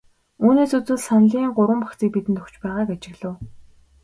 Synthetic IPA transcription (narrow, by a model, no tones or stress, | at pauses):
uːneːsut͡sɘ̆ɮsanɮiːŋɢʊɾwə̆mpḁkt͡siːk̚pit̪ɘ̆nt̪ʰɵ̥kt͡ɕpæːʁaːkat͡ɕɪ̆ɣɮə̆w